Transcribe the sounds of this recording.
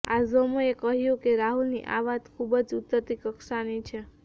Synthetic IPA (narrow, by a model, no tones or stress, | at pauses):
azomoekəɦjũkeɾaɦulnḭʔaʋat̪kʰubəd͡ʒʊt̪ːət̪ikəkʃanit͡ʃʰe